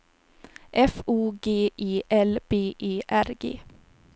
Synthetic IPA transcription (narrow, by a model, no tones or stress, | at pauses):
ʔɛfuːɡeːʔiːʔɛlb̥eːʔeːʔæɾɡḛː